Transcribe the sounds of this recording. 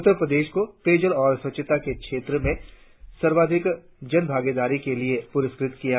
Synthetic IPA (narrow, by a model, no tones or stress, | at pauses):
ʊt̪ːəɾpɾəd̪eːʃkokeːd͡ʒəlɔːɾswɐt͡ʃət̪akekʃeːt̪ɾəmẽ | sɐɾʋaːd̪ʱɪk | d͡ʒɐnbʱaːɡeːd̪aːɾikeliepʊɾɪskɾɪt̪kija